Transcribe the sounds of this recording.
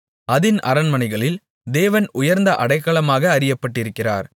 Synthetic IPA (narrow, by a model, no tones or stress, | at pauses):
ɐðɪnʔɐ̰ɾɐnmɐnɐɪɣɐɭɪl | d̪eːʋɐnʊjɐɾnd̪ɐʔɐɽɐɪkːɐɭɐmaːɣɐːɾɪjɐpːɐʈːɪɾɯkːɪra̰ːɾ